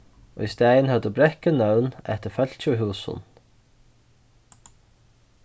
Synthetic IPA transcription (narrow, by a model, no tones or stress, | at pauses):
o̰ːiːst̪æɪənhœd̪əbɾɛkənœʉnɛ̰t̪əfœl̥c͡çʉːɦʉːsʊ̰n